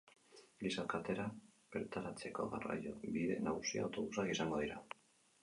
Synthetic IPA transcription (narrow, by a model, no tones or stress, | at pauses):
lisakat̪e̞ɾapeɾt̪aɾat͡se̞ko̞̰ɣara̰jo̞biðe̞̰naɣusiawt̪o̞βusakisaŋɡo̞ð̞iɾa